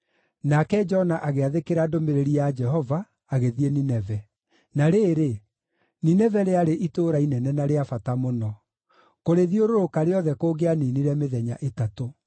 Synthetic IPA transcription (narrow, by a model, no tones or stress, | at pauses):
nakɛd͡ʒɔnaʔaɣeaðekeɾadomeɾeɾiad͡ʒɛɦɔvaː | ɣeðieninɛvɛ | naɾeːɾe | ninɛvɛɾeaɾeʔitoːɾainɛnɛnaɾeafatamonɔ | koɾeðioɾoɾokaɾeɔðɛkoːɡeaniniɾɛmeðɛɲa̰ʔetato